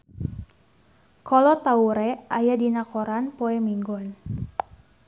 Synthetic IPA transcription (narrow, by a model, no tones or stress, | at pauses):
kʰɔlɔt̪auɾɛajadinakɔɾanpoɛmiŋɡɔn